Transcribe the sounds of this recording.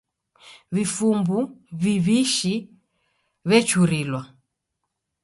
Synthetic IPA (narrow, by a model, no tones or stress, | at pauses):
βifumbuβiβiʃi | βɛt͡ʃuɾilwa